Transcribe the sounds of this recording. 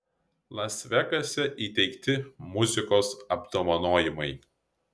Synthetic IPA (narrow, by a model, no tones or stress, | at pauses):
lˠɐsʲʋʲɛkɐsʲɛʔiːt̪ʲɛɪkt̪ʲɪmʊzʲɪkoːsɐbd̪oːmɐnoːjɪmɐɪ